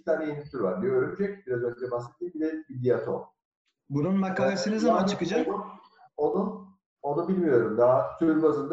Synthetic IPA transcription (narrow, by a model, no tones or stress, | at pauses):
t̪ʰaːnɛjinit̪ʰyɾva̰ɾd̪ijo̞ɾumt͡ʃʰecbiɾazø̞nd͡ʒɛbaset̪̚ʰːiːmbiɾecbid̪iat̪ʰo̰ | bununmakalˠesɯnɯzamant͡ʃʰɯkɯd͡ʒak | onu | o̞nubilʲmijo̞ɾumd̪at̪ʰyɾbazɯnd̪